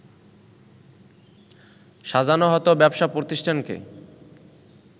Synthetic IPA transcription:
ʃad͡ʑʱanoɦɔt̪obɛbʃapɾot̪iʃʈʰankḛ

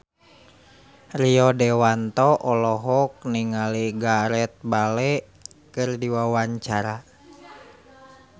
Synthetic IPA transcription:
riɔdɛwant̪ɔʔɔlɔɦɔk̚niŋaliɡaɾɛt̪̚balɛ | kɨrdiwawaɲt͡ʃaɾa

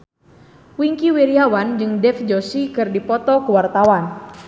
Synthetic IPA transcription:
wiŋkiweɾiawand͡ʒɨŋdɛfd͡ʒosikɨrdipɔt̪ɔkəwart̪awan

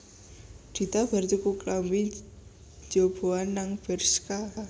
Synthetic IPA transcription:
d̪̥i̤t̪ab̥art͡ʃukuklambi̥ | d͡ʒob̥oanːaŋfɛrska

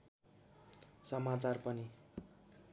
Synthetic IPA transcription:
sʌmat͡sarpʌni

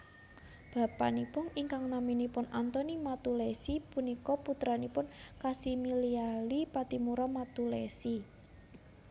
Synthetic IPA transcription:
b̥a̤pa̰nipʊniŋkaŋnaminipʊnant̪ɔnimat̪ulɛsipunikɔput̪ɾanipʊnkasimilialipat̪imuɾɔmat̪ulɛsi

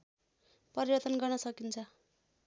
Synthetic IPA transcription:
pʌɾiβʌt̪ʌnɡʌrnʌsʌkint͡sʰʌ

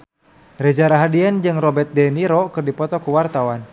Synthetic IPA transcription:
rɛd͡ʒaɾaɦadiɛnd͡ʒɨŋrɔbɛt̪̚dɛniɾɔkɨrdipɔt̪ɔkuwart̪awan

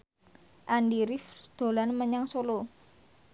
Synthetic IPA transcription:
ʔandiɾɪfd̪̥o̤lanməɲaŋsolo

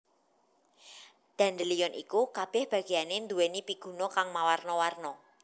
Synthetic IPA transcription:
d̪̥a̤nd̪əlijɔnʔḭkukab̥ɛ̤hb̥a̤ɡ̥ianend̪uwenipiɡ̥ṳnɔkaŋmawarnɔwarnɔ

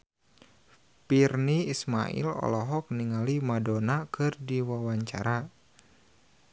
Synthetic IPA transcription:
pirniisma̰ḭlɔ̰lɔɦɔk̚niŋalimadɔnakɨrdiwawaɲt͡ʃaɾa

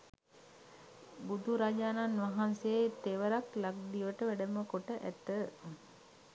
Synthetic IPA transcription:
bud̪ʱuɾad͡ʒaːnanʋaɦanset̪eʋəɾaklaɡ̚d̪iʋəʈəʋæɖəməkoʈəʔæt̪ə

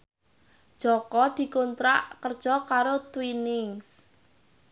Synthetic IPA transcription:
d̥ʒ̥ɔkɔd̪̥i̤kont̪ɾaʔkərd̥ʒ̥ɔkaɾot̪winɪŋs

